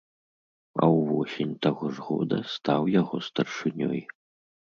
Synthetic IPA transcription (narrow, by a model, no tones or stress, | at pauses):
ɐ̰wvɔsʲenʲt̪aɣɔʐɣɔ̰d̪ɐst̪awjaɣɔst̪ɐrʂɨnʲɔ̰j